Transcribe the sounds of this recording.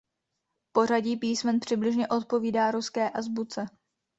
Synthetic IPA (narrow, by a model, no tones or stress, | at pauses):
po̞r̝aɟiːpiːsmɛnpr̝̥ɪblɪʒɲɛʔo̞t̪̚po̞viːdaːɾuskɛːʔazbut͡sɛ